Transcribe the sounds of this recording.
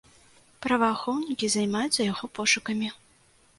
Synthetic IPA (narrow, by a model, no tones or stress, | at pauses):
pɾɐvɐːxɔwnʲikʲizajmajut̪sːɐjaɣɔpɔʂukɐmʲi